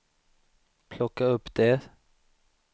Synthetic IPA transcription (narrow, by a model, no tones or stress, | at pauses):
pʰlɔkəɔpd̪eː